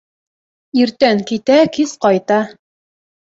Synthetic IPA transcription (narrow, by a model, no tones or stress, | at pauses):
iɾt̪æŋkit̪ækizqɑjt̪ɑ